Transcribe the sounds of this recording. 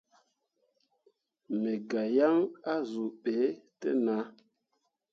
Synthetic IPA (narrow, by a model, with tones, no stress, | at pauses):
me˨ɡa˨ja˦ŋa˦zu˨ɓe˨˦tɛ̰˦na˨˦